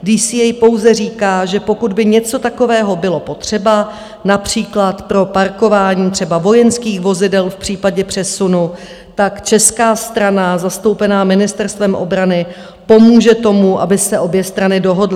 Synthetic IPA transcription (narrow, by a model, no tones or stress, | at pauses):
ɡdiːsiːɛjpo̞wzɛriːkaːʒɛpo̞kudbɪɲɛt͡so̞t̪ako̞vɛːɦo̞bɪlo̞po̞t̪r̝̥ɛba | napr̝̥iːklat̪pɾo̞paɾko̞vaːɲiːt̪r̥ɛbavo̞jɛnskiːxvo̞zɪdɛlfpr̥iːpaɟɛpr̝̥ɛsunu | t̪akt͡ʃɛskaːst̪ɾanazast̪o̞wpɛnaːmɪnɪst̪ɛɾst̪vɛmʔo̞̰bɾanɪ | po̞muːʒɛt̪o̞muʔa̰bɪsɛʔo̞bjɛst̪ɾanɪdo̞ɦo̞dlɪ